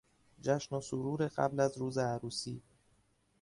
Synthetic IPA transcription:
d͡ʒæʃnosoɾuːɾeɢæ̰blæzɾuːzeæɾuːsḭː

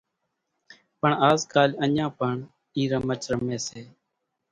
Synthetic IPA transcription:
pəɳaːzkaːləɲãːpəɳ | iːɾəmət͡ʃɾəmẽːseː

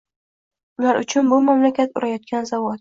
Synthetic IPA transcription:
ʊlaɾʊt͡ʃʰʊnbʊmamlakʲʰat̪ʊɾajɒt̪̚kʲʰanzavɒt̪

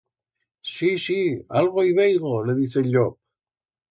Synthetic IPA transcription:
sisia̰lɣ̞oijβ̞ejɣoleðiθeʎok̚

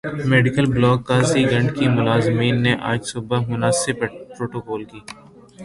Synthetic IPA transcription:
meːɖɪkəlblɔːkːaːziɡɐ̃ɳɖkimʊlaːzmiːnːeʔa̰ːd͡ʒsʊbəmʊnaːsɪbpɾoːʈoːkɔːlkiː

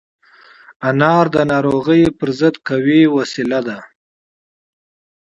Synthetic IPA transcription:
anɑɾd̪ənɑɾoɣəjpəɾzəd̪kawiwasilad̪a

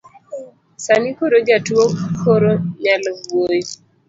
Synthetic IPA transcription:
sanikoɾod͡ʒatwokʰoɾoɲalɡwoj

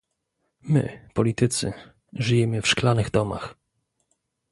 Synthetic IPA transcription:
mɘ̰pɔlʲit̪ɘt̪sɘ̰ | ʐɘjɛmɘfʂklanɘɣd̪ɔma̰x

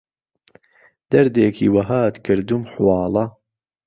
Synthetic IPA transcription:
d̪̥ɐɾd̪eːkʰḭːwɐɦaːt̪kʰɨɾd̪umħʊwɑːlɐ

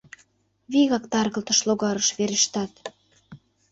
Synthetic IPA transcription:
βiɣɑkt̪ɑrɣə̆lt̪ə̆ʃloɣɑɾəʃβeɾəʃt̪ɑt̪

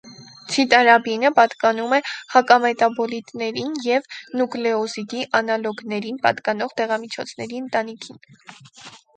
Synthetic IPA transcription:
t͡sʰit̪ɑɾɑbinəpɑt̪kɑnumɛhɑkɑmɛt̪ɑbɔlit̪nɛɾinjɛvnuklɛɔsid̪iʔɑnɑlɔɡnɛɾinpɑ̰t̪kɑnɔʁt̪ɛʁɑmit͡ʃʰɔ̰t͡sʰnɛ̰ɾiənt̪ɑnikʰin

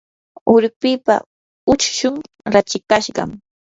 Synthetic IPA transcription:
ʊɾpɪːpa̰ | ʊt͡ʃʃʊŋ | ɾat͡ʃɪkaʃɢɑ̰m

